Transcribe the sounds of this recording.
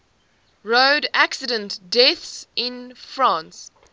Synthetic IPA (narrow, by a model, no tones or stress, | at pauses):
ɹoʊdæksɪdə̃ntd̥ɛθsɪ̃nfɹãːˑns